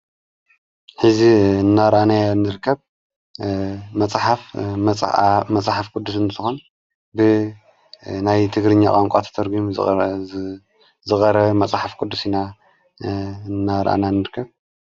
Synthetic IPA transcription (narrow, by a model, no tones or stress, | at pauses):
ħɨziɨnːaɾʔanajnɨɾkʰːɐβ | mɐt͡sʼħafʼ | mɐt͡sʼħafkʼud̪ːus̬ɨnt͡sʼɨxon | bɨ | najt̪ʰɨɡɾɨɲːakʼaŋkʷʼat̪ʰɐ̥t̪ʰɐɾɡum | zɨxʼɐɾɐβmɐt͡sʼħafkʰʼud̪ːusina | nːaɾʔa̰nanɨɾkʰːɐβ